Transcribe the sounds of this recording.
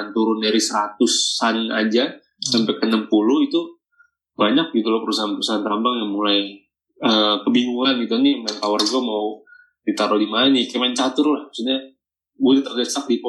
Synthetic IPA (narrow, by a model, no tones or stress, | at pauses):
ant̪uɾʊndɛɾisəɾat̪usanad͡ʒa | sampɛkənəmpulʊhit̪u | baɲak̚ɡit̪ulɔhpəɾusaɦanpəɾusaɦant̪ambaŋjaŋmulaj | əkəbiŋuŋanɡit̪uniant̪awarɡamaw | dit̪aɾɔdimanikamant͡ʃat̪ʊɾlahusuɲa | budɛt̪ərdəsak̚dip